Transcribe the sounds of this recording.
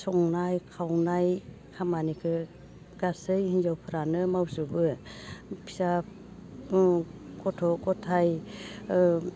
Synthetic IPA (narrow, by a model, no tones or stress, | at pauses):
sɔŋnajkʰawnaj | kʰamanikʰɯ | ɡ̥asɯjhinzawpʰɯɾanɯmawsubɯ | pʰi̥sa | kɔtʰɔɡɔtʰaj